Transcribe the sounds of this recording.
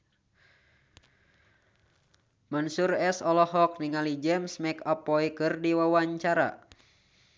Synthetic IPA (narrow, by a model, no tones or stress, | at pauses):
mɔnsurɛsɔlɔɦɔk̚niŋalid͡ʒɛmsmɛkapːɔikɨrdiwawaɲt͡ʃaɾa̰